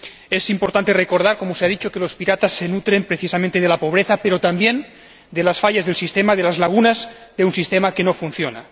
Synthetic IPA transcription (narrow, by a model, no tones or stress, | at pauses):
esimpoɾt̪ant̪erekoɾð̞aɾkomoseaðit͡ʃokelo̞spiɾat̪asːenut̪ɾempɾeθisamẽnt̪eðelapoβ̞ɾeθapeɾot̪ambjen | d̪elasfaʎazðelsist̪emaðelazlaɣunaz | d̪eunsist̪emakenofun̟θjona̰